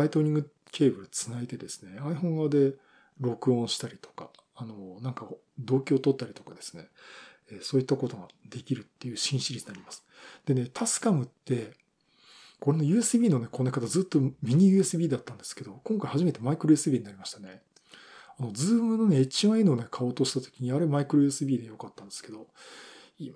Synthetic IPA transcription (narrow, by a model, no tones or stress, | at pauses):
ait̪o̞ːɾʲĩŋɡɯ | kʲʰe̞ːbɯ̟ɾɯ̟t͡sɨnait̪e̞d̪e̞sɨ̥ne̞aiɸõ̞ŋɡaβad̪e̞ | ɾo̞kɯ̟õ̞ɕi̥t̪aɾʲit̪o̥kaː | no̞nãŋka | d̪o̞ːkʲio̞ːt̪o̞t̪ːaɾʲit̪o̞kad̪e̞sɨ̥ne̞ | eːsoːit̪ːako̞t̪o̞ɡad̪̥e̞kʲiɾɯ̟t̪ːe̞jɯ̟ːɕĩɕiɾʲiɲinaɾʲimasɨ̥d̪̥e̞ne̞t̪ʰasɨ̥kamɯ̟t̪ːe̞ | ko̞ɾe̞no̞jɯ̟ːe̞sɨbʲiːno̞ne̞ko̞nekat̪azɨːt̪ːo̞mʲiɲ̟ijɯ̟e̞sɨbʲiːd̪at̪ːãnd̪e̞sɨ̥ke̞d̪o̞kõ̞ŋkaihaʑime̞t̪e̞maikɯ̟ɾoesɨbʲiːɲ̟inaɾʲimaɕi̥t̪ane̞ | ano̞d͡zɨːmɯno̞ne̞et͡ɕiãinone̞kʰao̞ːt̪o̞ɕi̥t̪at̪o̥kʲiɲ̟iaɾemaikɯɾojɯ̟esɨbʲiːd̪ejo̞kat̪ːãnd̪e̞sɨ̥ke̞d̪o̞ | i